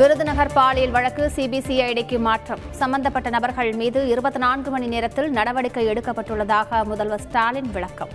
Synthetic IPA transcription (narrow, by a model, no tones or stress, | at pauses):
ʋɪɾɯðɯnɐɣɐɾpaːlɪjɪlʋɐɻɐkːɯsiːbiːsiɐjɽɐɪkːɯmaːʈrɐmsɐmbɐnd̪ɐpːɐʈːɐnɐbɐɾɣɐɭmiːðɯɪɾɯbɐt̪ːɯnaːnɡɯmɐɳineːɾɐt̪ːɪlnɐɽɐʋɐɽɪkːɐɪɛɽɯkːɐpːɐʈːɯɭːɐðaːɣɐmʊðɐlʋɐsʈaːlɪnʋɪɭɐkːɐm